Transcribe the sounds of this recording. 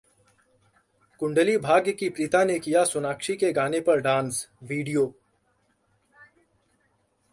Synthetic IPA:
kʊ̃ɳɖəlibʱaːɡjkipɾit̪anekijasʊnaːkʃikeɡaːnepɐɾɖãːnsʋiːɖijoː

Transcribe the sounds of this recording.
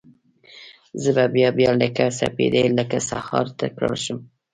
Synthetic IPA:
zəbabjɑbjləkasa̰pḛd̪əjləkasahɑɾt̪akɽə̰lʃʊm

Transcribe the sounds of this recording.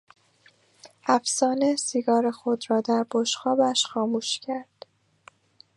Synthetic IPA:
ʔæfsɒːnesiɡɒːɾexod̪ɾɒːd̪æɾboʃxɒːbæʃxɒːmuːʃcʰæɾd̪̥

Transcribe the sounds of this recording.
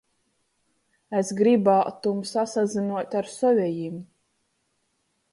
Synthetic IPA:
esɡɾibaːt̪umsasazinuɔt̪ʲaɾsɔvʲɛjim

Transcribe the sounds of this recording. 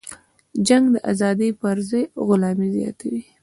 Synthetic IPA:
d͡ʒaŋɡd̪əʔa̰zɑd̪ijpəɾzajɣʊlɑmizjɑ̰t̪ʰawi

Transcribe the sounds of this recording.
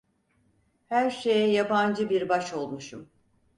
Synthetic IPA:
hæɾʃe̞jɛjaband͡ʒɯbiɾbaʃo̞lˠmuʃum

